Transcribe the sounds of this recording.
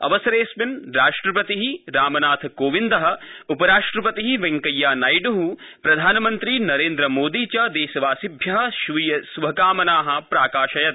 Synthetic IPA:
ɐ̰ʋɐsɐɾeːsʋinɾaːʂʈɾɐpɐt̪iɦiɾaːmɐnaːt̪ʰkoːʋind̪ɐɦɐ̆upɐɾaːʂʈɾɐpɐt̪iɦiʋɐŋkɐjːaːnɐjɖuɦu | pɾɐd̪ʱaːnɐmɐnt̪ɾiːnɐɾeːnd̪ɾɐmoːd̪iːt͡ʃɐd̪eːʃɐʋaːsibʱjɐɦɐ̆ʃʋijɐsubʱɐkaːmɐnaːɦɐ̆pɾaːkaːʃɐjɐt̪

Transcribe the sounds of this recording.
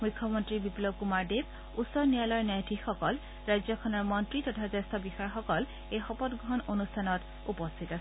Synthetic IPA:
mujkʰːɔmɔntɹibiplob̚kumaɹdeb̚ | usɔɹnijalɔjnajdʱixɔkɔl | ɹajzɔkʰɔnɔɹmɔntɹitɔtʰazestɔbixajɔxɔkɔl | ejxɔpɔtɡɔɦɔnonustʰanɔt | upɔstʰitas

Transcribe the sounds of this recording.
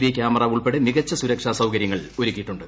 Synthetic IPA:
ʋjekʲjaːmɐrɐːuɭpeɽemiɣɐt͡ɕːɐsuɾɐkʂasɐwkɐɾjɐŋːɐɭoɾukʲːiʈːuɳɖɨ

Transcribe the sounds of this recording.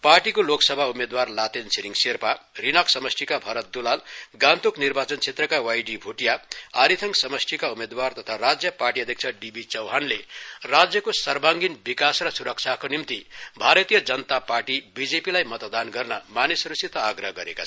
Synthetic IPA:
parʈikoloksʌbʱaumed̪warlat̪ensʰiɾiŋɡsirparinʌksʌmʌsʈʰikabʱʌɾʌt̪̚d̪ulalɡãnt̪uknirbat͡sʌnt͡sʰet̪rʌkawajɖibʱuʈjaaɾit̪ʰʌŋsʌmʌsʈʰikaumed̪wart̪ʌt̪ʰaɾad͡zjʌparʈiʌd̪ʱjek̚t͡sʰaɖibit͡sʌwɦanlerad͡zjʌkosʌrbãŋɡinbikasrʌsuɾʌkt͡sʰakonimt̪ibʱaɾʌt̪ijʌd͡zʌnt̪apaɾʈibid͡zepilajmʌt̪d̪anɡʌrnʌmanisʌɾusit̪aːɡɾʌɦɡʌɾeka

